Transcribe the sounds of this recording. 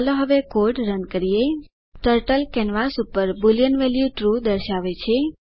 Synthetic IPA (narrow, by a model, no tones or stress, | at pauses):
loɦəʋekoɖɾənkəɾije | ʈəɾʈəlkɛnʋasupəɾbulijənʋeljuʈɾud̪əɾʃaʋet͡ʃʰe